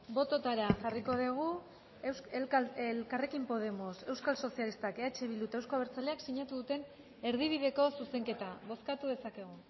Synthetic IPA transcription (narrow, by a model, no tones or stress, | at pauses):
bo̞t̪o̞t̪aɾaʝariko̞ðeɣ̞u | lelkare̞kimpo̞ðe̞mo̞se̞wskalso̞sialist̪akeat͡ʃeβilut̪aewskoβeɾt͡saleaksiɲat̪uðut̪e̞n | e̞ɾðiβ̞iðe̞ko̞suse̞ŋke̞t̪aβo̞skat̪uðe̞sake̞ɣ̞u